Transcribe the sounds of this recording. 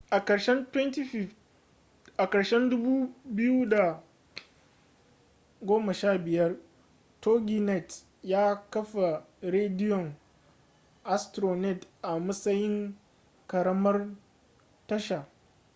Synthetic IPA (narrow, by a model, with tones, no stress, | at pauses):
ʔa˨kɐ˨ɾʃɛ˦ntwɛ˦nti˦ɸ | ʔa˨kɐ˨ɾʃɛ˦ndʊ˦bu˦bɪ˦ju˦da˨ | ɡʷoː˦ma˨ʃaː˦˨bɪ˨jɐ˦r | toː˦ɡʲi˨nɛ˨t | jaː˦kɐ˦ɸa˨ | ɾeː˦dɪ˦jɔ˨ŋ | ʔa˦stɾoː˨nɛ˦˨tʔa˨mɐ˦sɐ˦jɪ˦ŋ | kɐ˨ɾɐ˦mɐ˦r | tɐ˦ʃa˨